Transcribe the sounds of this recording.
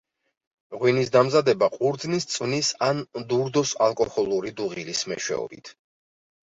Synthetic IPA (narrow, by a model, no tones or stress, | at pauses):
ʁwinisd̪amzad̪ɛbaqʼuɾd̪znist̪sʼwnisand̪uɾd̪ɔsa̰lˠkʼɔhɔlˠuɾid̪uʁilismɛ̰ʃwɛ̰ɔ̰bḭt̪ʰ